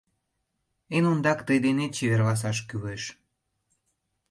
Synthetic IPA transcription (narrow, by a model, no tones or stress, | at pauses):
enund̪ɑkt̪əjd̪enet̪̚t͡ɕeβerlɑs̬ɑʃ̬kyβeʃ